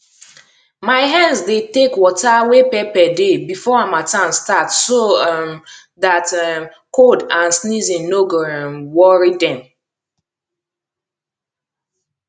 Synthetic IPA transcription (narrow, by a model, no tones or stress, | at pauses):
maɪɦãnsdetekwɔtawepɛpɛdebifɔãmatãnstatsom | ðat | kodãnsnizĩnːoɡmwɔɹidɛ̃m